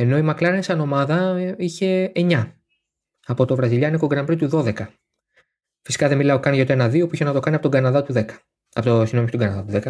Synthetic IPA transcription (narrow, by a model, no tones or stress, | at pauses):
eno̞imɐklɐɾensɐno̞mɐðɐiçe̞ːɲɐ | ɐpo̞t̪o̞vɾɐziʎɐniko̞ɡɾɐmpɾit̪uðo̞ðe̞kɐ | fisi̥kɐðe̞milɐokɐnʝɐot̪oenɐðio̞puiçenɐt̪o̞kɐniɐpotoɡɐnɐðɐt̪uðekɐ̥ | t̪osinomist̪ɡɐnɐðɐt̪uðekɐ